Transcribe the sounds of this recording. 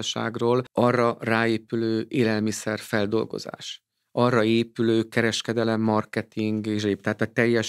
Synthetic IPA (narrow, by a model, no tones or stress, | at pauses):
ɒʃa̰ːɡroːlʔɒrːɒraːeːpyløːeːlɛlmisɛrfɛld̪o̞̰lɡo̰za̰ːʃ | ɒrːɒeːpyløːkɛɾɛʃkɛd̪ɛlɛmːɒrkɛt̪iŋɡeʒeːp̚t̪ɛɦaːt̪ɒt̪ɛjːɛʃ